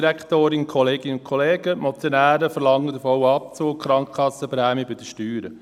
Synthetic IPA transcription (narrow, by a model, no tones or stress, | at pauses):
ɾækʰt̪oːɾɪnkʰχɔleːɡ̥ɪnəʊnkʰχɔleːɡ̥əmɔt͡sjonæːɾəfəɾlɑŋːəd̪əfɔwɑp̚t͡soːkkʰχɾɑŋkkɑsːəpɾæːmibɪd̥əʃtyːɾə